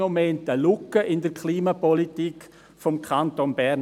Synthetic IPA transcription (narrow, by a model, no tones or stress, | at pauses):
omɛntəlʊkːəʔɪndəɾkʰliːmapɔlitik | fɔmkʰantonbɛɾn